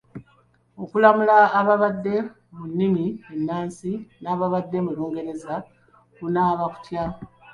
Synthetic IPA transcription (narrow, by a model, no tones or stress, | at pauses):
o̞kulamulaːβaβadːe̞ | munːimienːaːnsinaːβaβadːe̞muloːŋɡe̞ɾe̞za | kunaːβaku̥tja